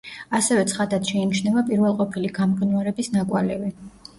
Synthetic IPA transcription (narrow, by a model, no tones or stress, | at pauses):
asɛvɛt̪sʰχad̪ad̪ʃɛinit͡ʃʰnɛbapʼiɾvɛlˠqʼɔpʰiliɡamɡnvaɾɛbisnakʼwalɛvi